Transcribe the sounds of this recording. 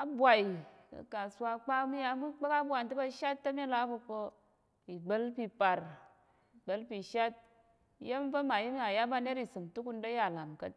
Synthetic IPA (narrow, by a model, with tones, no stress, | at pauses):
a˦bʷa˨i˨kɐ̰˨ka˨sʷa˧˦˧k͡pa˦mi˦ja˧˦mu˦k͡pe˦ka˦bwa˨n˨tɨ˦ba˧ʃa˦tːɐ˦mi˦la˦bo˧po˧ | i˨ɡ͡bə˦lpi˧pa˨ɾ | i˨ɡ͡bə˨˦lpi˧ʃa˦t̚ | je˦m˦po˦ma˨ji˦m˦a˨ja˦ba˧ne˦ɾi˨sɨ˨mtu˦ku˧n˦da˦ja˨la˨mkɐ˦